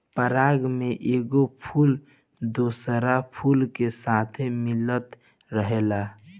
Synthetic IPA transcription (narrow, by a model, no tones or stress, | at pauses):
pəɾaːɡmẽʔeːɡopʰuːl | d̪oːsəɾapʰuːlkesaːt̪ʰemɪlət̪ | ɾəɦeːla